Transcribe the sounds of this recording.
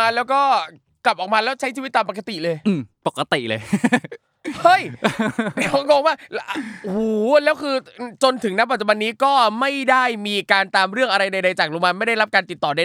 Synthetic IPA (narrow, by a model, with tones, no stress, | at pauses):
aː˧lɛː˦˥wkɔː˥˩ | kla˨˩p̚ʔɔː˨˩maː˧lɛː˦˥wt͡ɕʰa˦˥jt͡ɕʰiː˧˦˥t̪ːaː˧mpa˧ka˧t̪i˨˩lɤː˧jʔɯː˨˩mpo˨˩ka˧t̪i˨˩ʔlɤ̰ː˧j | hɤ˥˩j | ɔ˦˥kɔː˧ŋwaː˥˩ʔhuː˨˩lɛː˦˥wkʰɯː˧t͡ɕo˧nt̪ʰɯ˩˦ŋna˦˥pa˨˩t̪̚t͡ɕu˧ba˧nːiː˦˥kɔː˥˩ma˥˩jda˥˩jmiː˧kaː˧nt̪aː˧mɾɯ˥˩əŋʔa˧ɾa˧jda˧jda˧jt͡ɕaː˨˩k̚lu˧maː˧nma˥˩jda˥˩jɾa˦˥p̚kaː˧nt̪i˨˩t̪ːɔː˨˩da˧